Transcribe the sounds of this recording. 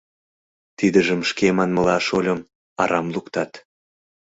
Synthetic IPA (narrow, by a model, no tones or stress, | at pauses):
t̪id̪əʒə̆mʃkemɑnmə̆lɑʃolʲə̆m | ɑɾɑmlukt̪ɑt̪